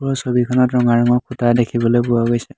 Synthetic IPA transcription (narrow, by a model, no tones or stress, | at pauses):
pɔɔsobikʰɔnɔtɹɔŋaɹɔŋɔkʰutadekʰibɔlojpʊwaɡojsɛ